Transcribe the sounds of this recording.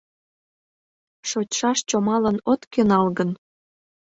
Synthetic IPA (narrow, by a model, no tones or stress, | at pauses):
ʃot͡ɕʲʃɑʃt͡ɕomɑlənot̪kønɑlɣən